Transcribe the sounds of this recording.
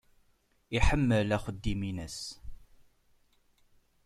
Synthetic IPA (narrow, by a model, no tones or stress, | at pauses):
iħəmːəlæχəd̪ːiminəs